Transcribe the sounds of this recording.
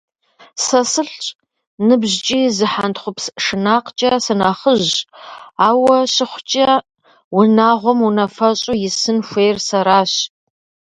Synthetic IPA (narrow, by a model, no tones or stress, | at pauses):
sɐsɨɬt͡ʃʼ | nɨbʑt͡ʃʼiːzɨħantχʷʊpsʂɨnaːqt͡ʃʼɐsɐnaːχəʑ | aːwɐɕɪχʷt͡ʃʼɐ | wʊnaːʁʷɔmunɐfɐɕʼujɪsɨnxʷeːjrsɐɾaːɕ